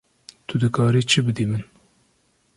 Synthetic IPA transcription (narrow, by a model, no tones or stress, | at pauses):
t̪ʰʊd̪ɨkʰɑːɾiːt͡ʃʰɨbɨd̪iːmɨn